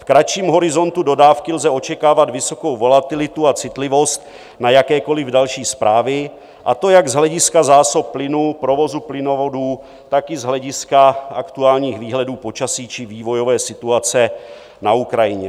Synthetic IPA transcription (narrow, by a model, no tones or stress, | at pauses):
fkɾat͡ʃiːmɦo̞ɾɪzo̞nt̪udo̞daːfkɪlzɛo̞t͡ʃɛkaːvat̪vɪso̞ko̞wvo̞lat̪ɪlɪt̪uat͡sɪt̪lɪvo̞st̪̚ | najakɛːko̞lɪvdalʃiːspɾʔaːvɪ | ʔat̪o̞jaɡzɦlɛɟɪskazaːso̞pːlɪnupɾo̞vo̞zuplɪno̞voduː | t̪akɪzɦlɛɟɪskaʔakt̪uaːlɲiːxviːɦlɛduːpo̞t͡ʃasiːt͡ʃɪviːvo̞jo̞vɛːsɪt̪uat͡sɛ | naukɾajɪɲɛ